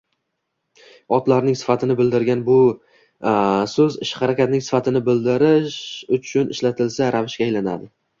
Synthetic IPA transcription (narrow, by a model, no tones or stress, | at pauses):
ɒt̪laɾnɪŋsɪ̥fat̪ʰɪnɪbɪld̪ɪɾɡʲanbʊ | sɵzɪʃχaɾakʲat̪̚nɪŋsɪ̥fat̪ʰɪnɪbɪld̪ɪɾɪʃʊt͡ʃʰʊnɪ̰ʃlat̪ʰɪlsaɾavɪʃkʲaːjlana̰d̪ɪ